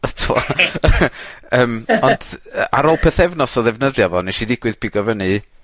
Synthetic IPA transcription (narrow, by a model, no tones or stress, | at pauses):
ətʰwɔ̰ | əːmɔnd̥ʔa̰ɾolˠpʰɛθɛvnɔsɔðɛvnəðjavɔneʃidɪɡ̥wɨð̥pʰiɡɔvəni